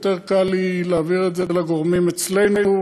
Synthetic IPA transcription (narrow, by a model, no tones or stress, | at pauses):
t̪eʁkalileaviʁetzelaɡoʁmimet͡slejnuu